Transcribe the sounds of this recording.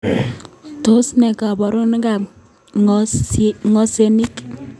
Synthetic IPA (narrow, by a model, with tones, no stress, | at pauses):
to˦snɛ˨ka˨bɔ˨ɾo˦n˦ka˨p̚ | ŋɔ˦se˨ni˦k